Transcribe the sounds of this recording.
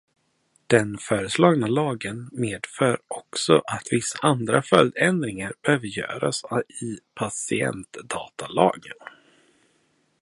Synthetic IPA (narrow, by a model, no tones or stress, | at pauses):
d̪̥ɛnfœːɾəslɑːɡnalɑːɡənmeːd̪̥fœːɾɔksɔ̰ʔat̪vɪsːaʔand̪ɾafœld̪ɛnd̪ɾɪŋaɾbøːvəjœ̰ːɾa̰sɪpʰasɪɛ̰nt̪d̪ɑːt̪ʰalɑ̰ːɡən